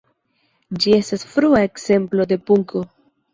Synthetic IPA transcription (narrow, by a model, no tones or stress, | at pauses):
d͡ʒie̞stasfɾuae̞kse̞mplo̞de̞puŋkʰo̞